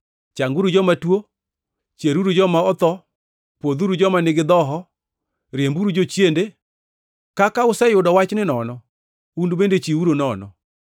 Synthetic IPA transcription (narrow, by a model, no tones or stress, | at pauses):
t͡ʃaŋɡuɾud͡ʒɔmatwo | t͡ʃeɾuɾud͡ʒɔmaɔt̪ɔ | pod̪uɾud͡ʒɔmanɪɡɪd̪ɔɦɔ | ɾjembuɾud͡ʒot͡ʃjende | kakaʊsɛjʊdɔwat͡ʃnɪnɔnɔ | undubendet͡ʃiuɾonɔnɔ̰